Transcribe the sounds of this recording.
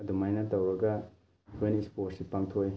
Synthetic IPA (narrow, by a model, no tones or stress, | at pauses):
ɐdumajnɐtɐwɾɐɡɐ | hʰenisposipaŋt̪ʰoj